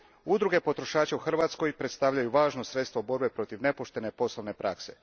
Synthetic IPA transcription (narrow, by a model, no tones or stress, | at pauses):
ud̪ɾuɡe̞po̞t̪ɾo̞ʃaːt͡ʃeuxr̩ʋat̪sko̞jpɾet̪st̪aʋʎajuʋaːʒnosɾet̪st̪ʋobo̞ɾbe̞pɾo̞t̪iʋne̞poʃt̪e̞ne̞po̞slˠoʋne̞pɾʔa̰kse̞